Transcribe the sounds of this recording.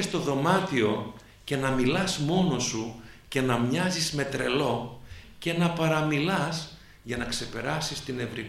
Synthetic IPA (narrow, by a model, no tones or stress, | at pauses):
est̪o̞ðo̞mɐt̪io̞ | ce̞nɐmilɐzmo̞no̞suce̞nɐmɲɐzizme̞t̪ɾe̞lo̞ce̞nɐpɐɾɐmilɐs | ʝɐnɐkse̞pe̞ɾɐsist̪ine̞vɾi